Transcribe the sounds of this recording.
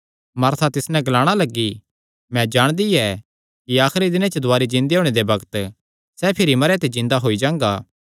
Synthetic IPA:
mɐɾt̪ʰat̪ɪsnɛ̃ɡɐlaːɽ̃alɐɡːi | mɛ̃d͡ʒaːɽ̃d̪iɛ | kiaːxɾid̪ɪnãt͡ʃəd̪ʊaːɾid͡ʒɪ̃nd̪eɦoːɽ̃ed̪ebɐɡt̪ | sɛpʰɪɾimɐɾɛt̪ed͡ʒɪ̃nd̪aɦoːid͡ʒãːŋɡaː

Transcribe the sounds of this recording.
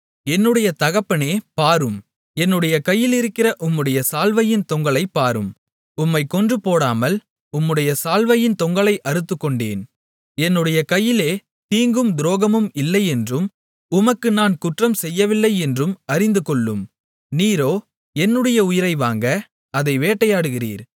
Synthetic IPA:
ɛnːɯɽɐjɐt̪ɐɣɐpːɐneːpaːɾɯm | ɛnːɯɽɐjɐkɐjːɪlɪɾɯkːɪrɐʔʊmːɯɽɐjɐsaːlʋɐjɪnt̪ɔŋɡɐɭɐɪpːaːɾɯm | ʊmːɐɪkːɔndrɯpoːɽaːmɐl | ʊmːɯɽɐjɐsaːlʋɐjɪnt̪ɔŋɡɐɭɐɪʔɐɾɯt̪ːɯkːɔɳɖḛːn | ɛnːɯɽɐjɐkɐjːɪleː | t̪iːŋɡɯmd̪ɾoːɣɐmɯmɪlːɐɪɛndrɯm | ʊmɐkːɯnaːnkʊʈrɐmsɛjːɐʋɪlːɐɪɛndrɯmɐɾɪnd̪ɯkɔɭːɯm | niːɾoː | ɛnːɯɽɐjɐʊjɪɾɐɪʋaːŋɡɐ | ɐðɐɪʋeːʈːɐjaːɽɯɣɪriːɾ

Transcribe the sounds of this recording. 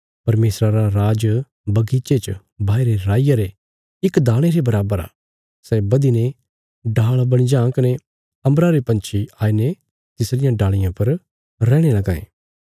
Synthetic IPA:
pɐɾmeːsɾaɾaɾaːd͡ʒ | bɐɡiːt͡ʃet͡ʃ | bʱaːiɾeɾaːɪjaɾe | ɪkd̪aːɽ̃eɾebɐɾaːbəɾa̰ː | sɛːbɐd̪ine | ɖaːɭbɐɽ̃id͡ʒãːkɐne | ɐ̃mbɾaɾepɐ̃nt͡ʃʰiaːine | t̪ɪsɾɪjãɖaːɭɪjãpɐɾ | ɾɛːɽ̃elɐɡaːḛ̃ː

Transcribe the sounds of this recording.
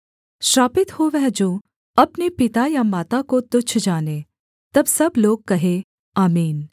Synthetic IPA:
ʃɾaːpɪt̪hoʋɛɦd͡ʒoː | ɐpnepɪt̪ajamaːt̪akot̪ʊt͡ʃʰd͡ʒaːneː | t̪ɐbsɐbloːɡ̚kɐɦe | aːmiːn

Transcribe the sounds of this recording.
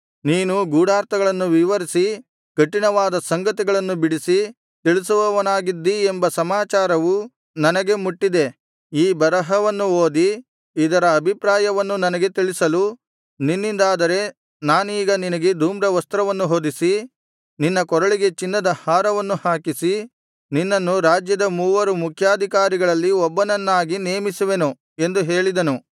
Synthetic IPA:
niːnuɡuːɽaːɾt̪ɐɡɐɭɐnːuʋiʋɐɾisi | kɐʈːinɐʋaːd̪ɐsɐŋɡɐt̪iɡɐɭɐnːubiɽisi | t̪iɭisɐʋɐʋɐnaːɡid̪ːiembɐsɐmaːt͡ʃaːɾɐʋu | nɐnɐɡe̞muʈːid̪e̞ | iːbɐɾɐɦɐʋɐnːuoːd̪i | id̪ɐɾɐːbʱipɾaːjɐʋɐnːunɐnɐɡe̞t̪iɭisɐlu | ninːind̪aːd̪ɐɾe̞ | naːniːɡɐninɐɡe̞d̪ʱuːmɾɐʋɐst̪ɾɐʋɐnːuɦoːd̪isi | ninːɐkɔɾɐɭiɡe̞t͡ʃinːɐd̪ɐhaːɾɐʋɐnːuhaːkisi | ninːɐnːuɾaːd͡ʒjɐd̪ɐmuːʋɐɾumukʰjaːd̪ʱikaːɾiɡɐɭɐlːiɔbːɐnɐnːaːɡineːmisuʋe̞nu | e̞nd̪uɦe̞ːɭid̪ɐnu

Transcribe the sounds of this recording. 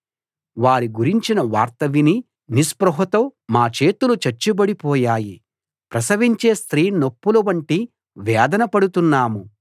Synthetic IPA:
ʋaːɾiɡuɾiɲt͡ʃinɐʋaːɾt̪ɐʋini | nispɾɐɦɐt̪oːmaːt͡ʃe̞ːt̪ulut͡ʃɐɾt͡ʃːubɐɽipɔːjaːji | pɾɐsɐʋiɲt͡ʃeːst̪ɾiːnopːulɐʋɐɳʈi | ʋɛːd̪ɐnɐpɐɽut̪unːaːmu

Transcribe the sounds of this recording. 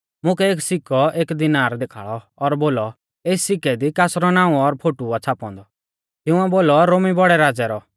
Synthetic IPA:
mʊ̃kɛeːksɪkɔeːkd̪ɪnaːɾd̪eːkʰa̰ːɭɔːɾboːlɔ | eːssɪkɛd̪ikasɾɔnãːũɔɾpʰoːʈuat͡sʰaːpɔ̃nd̪ɔ | t̪ɪʊ̃ɛboːlɔɾomibɔɽɛɾaːd͡zɛɾɔ

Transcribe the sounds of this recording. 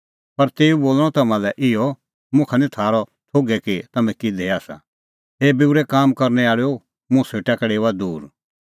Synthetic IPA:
pɐɾt̪eːuboːl̃ɔt̪ɐmãlɛʔɪjɔ | mʊ̃kʰanĩt̪ʰaːɾɔt̪ʰoːɡɛkit̪ɐmɛ̃kid̪ʱeaːsa̰ | ɦeːbɪwɾɛkaːmkɐɾnɛaːɭo | mʊ̃seːʈakɛɽeːʋad̪uːɾ

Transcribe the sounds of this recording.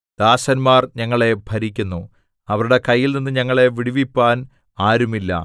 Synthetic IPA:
d̪̥aːɕɐnmaːrɲɐŋːɐɭe̞bʱɐɾikʲːunːu | ɐʋɐɾuɽe̞kɐjːilninːɨɲɐŋːɐɭe̞ʋiɽiʋipːaːn | aːɾumilːɐ̰

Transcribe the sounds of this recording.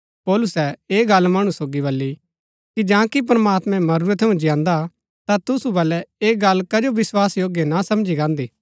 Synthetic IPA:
pɔːlʊsɛeːɡɐlmɐɽ̃ũsoːɡiβɐlːi | kid͡ʒãːkip̬ɾɐmaːt̪mɛ̃mɐɾuːɾət̪ʰɐũd͡ʒɪjãːnd̪a | t̪at̪ʊsubɐlɛeːɡɐlkɐd͡ʒoʋɪswaːsjoːɡjenasɐmd͡ʒiɡãːnd̪iː

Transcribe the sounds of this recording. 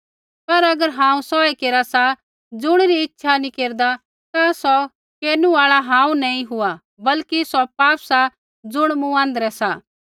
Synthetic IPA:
pɐɾɐɡəɾɦãːũsɔekeːɾasa | d͡zʊɽ̃ɾiɪtːʃʰanĩkeːɾd̪a | t̪asɔ | keːnuaːɭaɦãːũnɐĩɦʊa | bɐlkisɔpaːpsa | d͡zʊɽ̃mũãːnd̪əɾɛsa

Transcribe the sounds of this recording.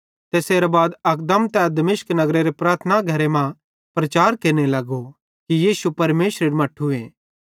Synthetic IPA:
t̪eːseːɾabaːd̪ɐkd̪əmt̪ɛd̪ɐmɪʃknɐɡɾeɾepɾaːɾt̪ʰnaɡʱɐɾemã | pɾɐt͡ʃaːɾkeːɾnelɐɡo | kijiːsupɐɾmeːsɾeɾimɐʈʰːueː

